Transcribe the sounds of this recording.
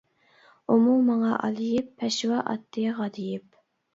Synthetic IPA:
umumɑŋɑʔɑ̰lˠijipʰːɛʃwɑʔɑ̰t̪ʰːɨjʁɑd̪ɪjɪp̚

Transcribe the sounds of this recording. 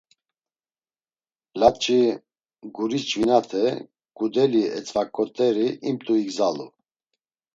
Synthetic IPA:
lat̪t͡ʃʼi | ɡuɾist͡ʃʼvinat̪ʰɛ | ɡ̥ud̪ɛliɛt͡sʼvakʼɔt̪ʼɛɾiimt̪ʼuiɡzalṵ

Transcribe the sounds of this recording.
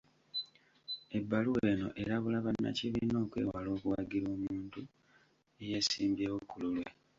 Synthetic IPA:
e̞bːaluwe̞ːno̞̰ʔe̞ɾaβulaβanːa̰ciβino̞ːkwe̞̰walo̞ːkuwaɡiɾo̞ːmuuːntu | eje̞ːsiːmbjewokːululwḛ

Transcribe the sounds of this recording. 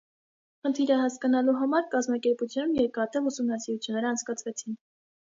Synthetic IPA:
χənt̪ʰiɾəɦɑskɑnɑluɦɑmɑɾkɑzmɑkɛɾput͡sʰjnumjɛɾkɑt̪ɛvusumnɑsiɾut͡sʰjunːɛɾəɑnt͡sʰkɑt͡sʰvɛt͡sʰin

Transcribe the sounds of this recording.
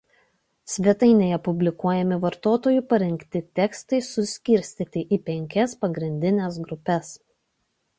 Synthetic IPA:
sʲʋʲɛt̪ɐɪnʲeːjɛpʊbʲlʲɪkuɔjɛmʲɪʋɐɾt̪oːt̪oːjʊpɐɾʲɛŋʲkt̪ʲɪt̪ʲɛkst̪ɐɪsʊsʲkʲɪɾʲsʲt̪ʲiːt̪ʲɪʔipʲɛŋʲkʲɛspɐɡɾʲɪnʲd̪ʲɪnʲɛsɡɾʊpʲɛs

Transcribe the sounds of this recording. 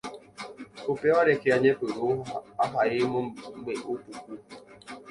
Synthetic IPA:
opeaɾekeaɲepoɾaɦaɪmoŋ͡m̩ɡ͡beʔopukʷu

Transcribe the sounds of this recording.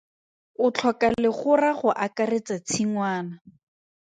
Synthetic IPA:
ʊt͡ɬʰɔkalɪχʊraχʊʔakaret͡sat͡sʰiŋwaːna

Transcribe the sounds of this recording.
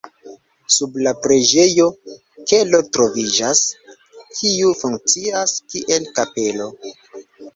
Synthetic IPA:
sublapɾe̞d͡ʒe̞jo̞ | ke̞lo̞tɾo̞vid͡ʒas | kʰiufuŋk̚t͡siaskiʔe̞lkape̞lo̞

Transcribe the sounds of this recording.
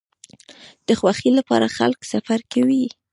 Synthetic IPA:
d̪̥əxwaxilapɑ̰ɾaxa̰lksafaɾkawi

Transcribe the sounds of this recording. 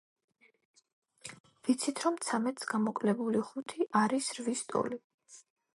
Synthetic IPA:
vit̪sʰit̪ʰɾɔmt̪sʰamɛt̪ʰʼsɡamɔkʼlɛbuliχut̪ʰiʔaɾisɾvist̪ʼɔ̰li

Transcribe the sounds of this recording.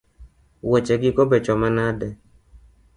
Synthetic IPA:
wɛt͡ʃɛɡikɔbɛt͡ʃɔmanadɛ

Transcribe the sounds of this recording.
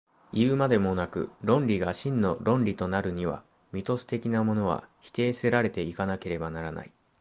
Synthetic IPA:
iɯmad̪e̞mo̞nakɯ̟̰ɾõ̞nɾʲiɡaɕĩnːo̞ɾõ̞nɾʲit̪o̞naɾɯ̟ɲ̟iβ̞a̰ | mʲit̪o̞sɨ̥t̪e̞kʲinamo̞no̞β̞a̰çi̥t̪e̞ːse̞ɾaɾe̞t̪e̞ikanake̞ɾe̞banaɾana̰i

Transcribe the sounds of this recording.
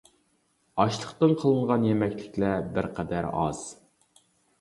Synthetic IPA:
ɑʃlˠəχt̪ɨnqʰəlˠɨɴʁɑnjemɛkʲlɪkʲlɛbɪɾqʰɛd̪æɾɑ̰z̥

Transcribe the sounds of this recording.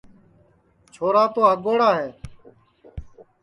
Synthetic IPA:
t͡ʃʰoːɾaːt̪oːɦəɡoːɽaːɦeː

